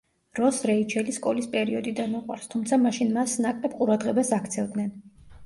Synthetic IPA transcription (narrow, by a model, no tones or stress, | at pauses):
ɾɔsɾɛit͡ʃʰɛliskʼɔlispʼɛɾiɔd̪id̪anuqʼwa̰ɾst̪ʰumt̪sʰamaʃinmasnakʼlɛbqʼuɾad̪ʁɛbasakʰt̪sʰɛvd̪nɛn